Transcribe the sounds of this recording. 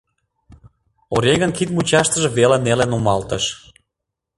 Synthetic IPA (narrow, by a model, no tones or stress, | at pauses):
oɾʲeɣənkit̪mut͡ɕɑʃt̪əʒeβelenelenomɑlt̪əʃ